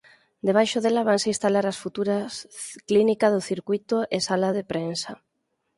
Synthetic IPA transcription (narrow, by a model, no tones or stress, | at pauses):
d̪eβajʃoðelaβ̞aŋsinst̪alaɾasfut̪uɾaklinikaðoθiɾkujt̪oʔesalaðepɾensa